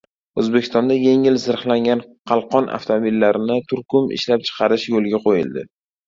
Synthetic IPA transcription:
ɵzbe̞kʲʰɪ̥st̪ɒnd̪aje̞ŋɪlzɪɾχlaŋɡʲanqʰɑlˠqʰɒnʔa̰ft̪ʰomobilːaɾɪnɪt̪ʰʊɾkʊmɪ̰ʃlap̚t͡ʃʰɨ̥qʰɑɾɪʃjolɡʲaqʰojɪ̰ld̪ɪ̰

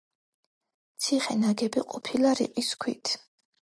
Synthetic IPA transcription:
t̪sʰiχɛnaɡɛbiqʼɔpʰilaɾḭqʼiskʰwḭt̪ʰ

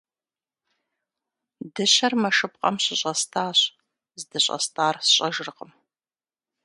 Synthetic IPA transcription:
dɨɕɐrmɐʂɨp̚qʼɐmɕɪɕʼɐstʰaːɕ | zdɨɕʼɐ̰stʰaːrsɕʼɐʒɨrqəm

